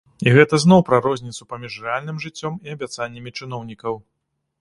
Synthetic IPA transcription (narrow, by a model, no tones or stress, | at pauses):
iɣɛt̪ɐznɔwpɾɐɾɔzʲnʲit̪supamʲiʂrɛalʲnɨmʐɨt͡sʲːɔmiɐbʲat̪sanʲːɐmʲit͡ʂɨnɔwnʲikɐw